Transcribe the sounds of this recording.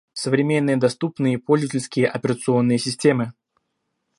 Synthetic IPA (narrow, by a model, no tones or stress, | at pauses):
səvɾʲɪmʲe̞nːɨjəd̪ɐst̪upnɨjəipolʲzvətʲɪlʲskʲɪjəʔɐpʲɪɾət̪sɨo̞nːɨjəsʲɪsʲtʲe̞mɨ